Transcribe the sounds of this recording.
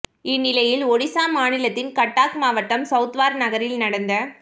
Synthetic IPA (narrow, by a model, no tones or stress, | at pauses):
ɪnːɪlɐjɪlɔɽɪsaːmaːnɪlɐt̪ːɪnkɐʈːaːkmaːʋɐʈːɐmsɐʊt̪ʋaːɾnɐɣɐɾɪlnɐɽɐnd̪ɐ